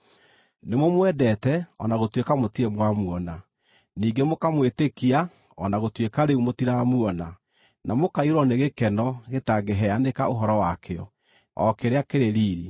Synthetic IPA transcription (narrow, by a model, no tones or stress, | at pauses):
nemomwɛdɛtɛɔnaɣotwekamotiɛmwamuɔna | niːɡemokamwetekia | ɔnaɣotwekaɾeumotiɾamuɔna | namokaiɾɔneɣekɛnɔɣetaɡeɦɛanekaoɦɔɾɔwakeɔ̰ | ɔ̰keɾeakeɾeɾiːɾi